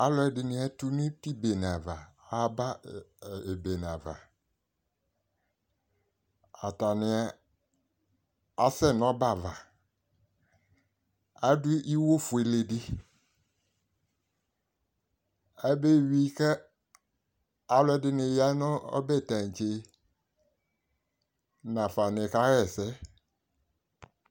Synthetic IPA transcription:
a˦lɔ˦ɛ˨dɪ˨nɪ̃˦a˨tu˦nɪ̃˦ti˦be˨n˨a˨va˨ | a˦ba˦˨ | e˨be˨n˨ã˨va̰˨ | a̰˨ta˨nɪ̃˨a˨ | a̰˨sɛ˦˨nɔ̃˦ba˦˨va˨ | a˦dʊ˦i˦wo˦fu˨e˨le˨di˦ | a˦be˦˨ɥi˦kɛ˦ | a˨lɔ˦dɪ˦nɪ̃˨ja˦nʊ̃˦ɔ̰˦bɛ˦˨tã˨ŋ˨t͡ʃe˨ | nã˨fa˨nɪ̃˨ka˦ɾɛ˨sɛ˦

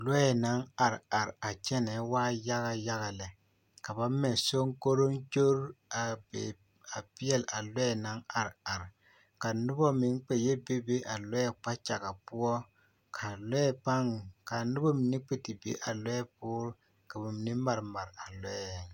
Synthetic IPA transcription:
lɛ˦ɛ˨na˨˦ŋa˨ɾa˨ɾa˨t͡ʃɛ˦nɛ˨˦waː˦ja˦ɣa˦ja˦ɣa˨lɛ˨ | ka˨ba˦mɛ˨so˦ŋko˦ɾo˦nt͡ʃo˦ɾa˨bḛ˨ | a˨pi˦ɛ˦˨lʔa˨lɛ˦ɛ˦˨na˨˦ŋa˨ɾa˨ɾ | ka˨nʊ˦bɔ˦mɪ˨˦ŋ˦k͡pe˨je˦be˦be˦ʔa˨lɛ˦ɛ˦k͡pa˦t͡ʃa˨ka˨pʊ˦ɔ˦ | kʰa˨lɛ˦pa˦ŋ˨ka˨nʊ˦bɔ˦mi˨ni˦k͡pi˦ti˨bḛ˦ʔa˨lɛ˦ɛ˦p̚ʊː˦ɾ | ka˨ba˨mi˨ni˦ma˨ɾma˨ɾa˨lɛ˦˨

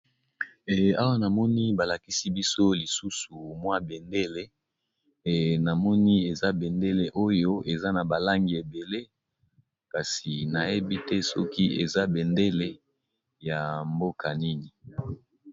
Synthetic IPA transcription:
a˦wa˦na˨mɔ˦ni˦ba˨la˨ki˦si˦bi˦so˦li˨su˦su˨mwa˦be˨nde˦le˦˨ | na˨mɔ˦ni˦e˨za˦bɛ˨nde˦le˨ʔo˦jo˦ʔe˨za˦na˨ba˨la˦ŋɡi˨e˨be˨le˦ | ka˨si˨na˨je˦bi˦tɛ˦sɔ˦ki˦ʔe˨za˦bɛ˨nde˦le˦ | ja˨mbo˦kʰa˨ni˦ni˨

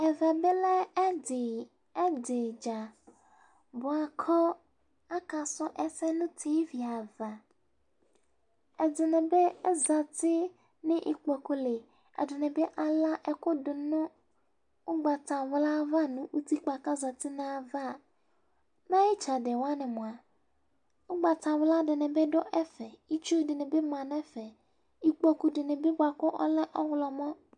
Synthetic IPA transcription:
ɛ˨vɛ˨be˦lɛ˦˨ | e˦de˨d͡ʒa˨ | bɔ˨a˨kʰɔ˦ | a˦ka˨sɔ˦ʔɛ˦sɛ˦nũ˦t̪ʰi˦vi˨a˨va˨ | e˨d̪ɪ˨nɛ̃˨be˦ɛ˦za˨t̪ɪ˦ | nɪ̃˦ʔi˦k͡pɔ˨ko˦le˨ | ḛ˨dɪ˨nɛ̃˨be˦ʔa˨la˦ʔɛ˨ko˦do˨nʊ̃˦ | ʊ˦ɡ͡ba˨tã˨wla˦va˦nũ˦ʔu˦t̪i˦k͡pa˨ka˦za˨t̪ɪ˦nã˨a˨va˦˨ | nã˦jɪ˦t͡ʃa˨de˨wa˦nɪ̃˨mʊ̃˨a˨ | ʊ˦ɡ͡ba˨t̪ã˨wla˦dɪ˨nɪ̃˨bɛ˦ɖɔ˦ʔɛ˦fɛ˨i˦t͡ʃu˦dɪ˨nɪ̃˨be˦mã˨nɛ̃˦fɛ˨ | i˨k͡pɔ˨ku˨ɖɪ˨nɪ̃˨be˦ba˨kɔ˦ʔɔ̰˦lɛ˦ʔɔ˦wlɔ˨mɔ̃˦

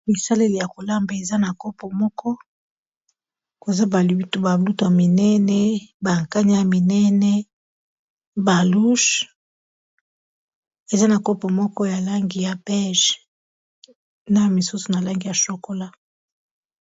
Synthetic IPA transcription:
mi˨sa˦le˦le˨ja˨ko˨la˦mba˨e˨za˦na˨ko˦po˨mɔ˦kʰɔ˦ | ko˨za˦ba˨lu˨bi˦tu˦ba˨lu˦tu˨ja˨mi˨nɛ˦nɛ˦ba˨ŋka˦ɲa˦ja˨mi˨nɛ˦nɛ˦ | ba˨lu˦ʃ | e˨za˦na˨ko˦po˨mɔ˦kɔ˦ja˨la˦ŋɡi˨ja˨bɛ˦ʒ | na˦˨mi˨su˦su˨na˨la˦ŋɡi˨ja˨ʃo˨ko˦la˦

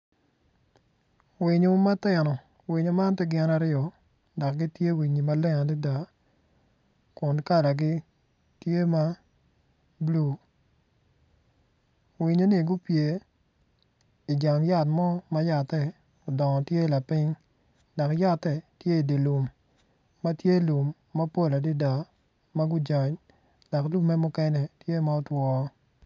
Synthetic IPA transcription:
wi˨ɲo˨ma˦tɛ˨nɔ˨ | wi˨ɲo˨ma˦ntɛ˦ɡɪ˦na˦ɾɪɔ˨ | da˨kɡi˦tje˦wi˨ɲi˨ma˦lɛ˦ŋa˨di˦da˨ | kʊ˨nka˦da˨ɡɪ˦ | tje˦ma˦ | blu˦˨ | wi˨ɲo˨˦ni˦˨ɡʊ˦pje˨ | i˨d͡ʒa˨ŋja˦˨tmɔ˦ma˦ja˨tɛ˦˨ | ʊ˨dɔ˨ŋɔ˨tje˦la˨pɪ˦ɲ | dɔ˨kja˦˨tːɛ˨tje˦i˨de˨lu˨mː | a˦tje˦lu˨mː | a˦po˦la˨di˦da˨ | ma˦ɡʊ˦d͡ʒɔ˨ɲ | dɔ˨klu˦mmːɛ˦mʊ˦kɛ˦nɛ˨tje˦ma˦ɔ˦twɔ˦

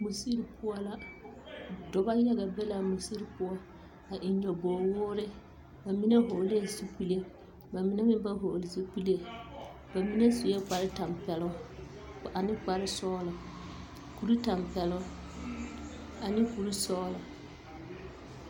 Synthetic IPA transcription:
mu˨si˦ɾpʰʊ˦ɔ˦la˨ | dɔ˨ba˦jɛ˦ɡa˨bɛ˦la˨mu˨si˦ɾpʊ˦ɔ˦ | a˨ʔi˨ɲɔ˨bɔː˨wʊ˦ɾɪ˦ | ba˨mi˦ne˦ɦo˨le˦˨su˦pu˦le˦ | ba˨mɪ˦ne˦mɪ˦m˦ba˦ɦo˨lɪ˨si˦pi˦le˦ | ba˨mi˦ne˦su˨jɛ˦k͡pa˨ɾɪ˦ta˨mpɛ˨lʊ˦ | a˨nɪ˦k͡pa˨ɾɪ˦sɔː˦la˨ | ku˨ɾi˦ta˨mpɛ˨lʊ˦ | a˨nɪ˦ku˨ɾi˦sɔː˦la˨

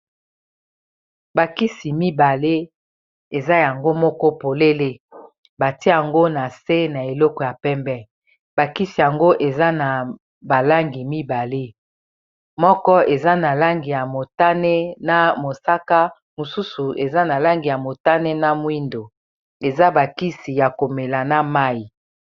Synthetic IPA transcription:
ba˨ki˦si˨mi˦ba˨le˦ | e˨za˦ja˨ŋɡo˦mɔ˦kɔ˦po˨le˦le˦ | ba˨ti˦ja˨ŋɡo˦na˨se˦na˨e˨lɔ˦kɔ˨ja˨pɛ˦mbɛ˦ | ba˨ki˦si˨ja˨ŋɡo˦ʔe˨za˦na˨ | ba˨la˦ŋɡi˨mi˦ba˨le˦ | mɔ˦kɔ˦e˨za˦na˨la˦ŋɡi˨ja˨mo˨ta˦ne˦na˦mo˨sa˦ka˦ | mo˨su˦su˨e˨za˦na˨la˦ŋɡi˨ja˨mo˨ta˦ne˦na˦mwi˦ndo˨ | e˨za˦ba˨ki˦si˨ja˨ko˨me˨la˨na˦ma˦i˨

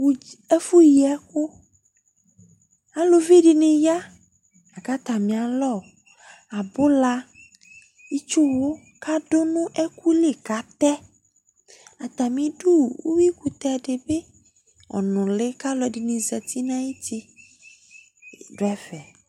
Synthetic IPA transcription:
wu˦e˦fu˦ji˨ɛ˦ko˦ | a˦lo˨vi˦ɖi˨nẽ˨ja˦ | a˨ka˦t̪a˨mĩ˨a˨lɔ˦˨ | a˨bo˦la˦ | i˦t͡ʃo˦wo˦ | ka˦ɖo˦nũ˦ʔe˦ku˦le˦˨ka˦t̪ɛ˦ | a˨t̪a˨mĩ˨ɖu˦˨wo̰˦wi˦ku˨t̪ɛ˦˨ɖe˨be˦ | ɔ̰˨nɔ̃˨le˦ka˦lɔ˨ɖi˨nĩ˨zɛ˨t̪i˦nã˦ji˦t̪i˦˨ | ɖo˦ɛ˦vɛ˨

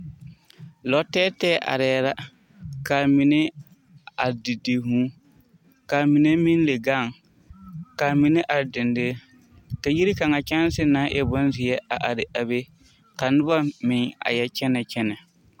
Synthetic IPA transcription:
lɔ˨tɛː˦tɛː˦ʔa̰˨ɾɛː˨˦ɾa˦ | ka˨mi˨nɪ˦ | a˨dɪ˨de˨ɦũː˦ | ka˨mi˨ne˦mĩ˦n˦le˨ɡa˦˨ŋ | ka˨mi˨nɪ˦ʔa˨ɾdɪ˨ndeː˦ | ka˨ji˦ɾi˦ka˨ŋa˨t͡ʃɛ˦n˦sɪ˦na˨˦ʔɛ˨bɔ˦n˦zɪ˨jɛ˦a˨ʔa˨ɾɪ˨ʔa˨be˦ | ka˨nʊ˦ba˦mɪ̃˨ŋa̰˨jɛ˦t͡ʃɛ˦nɛ˨t͡ʃɛ˦nɛ˨

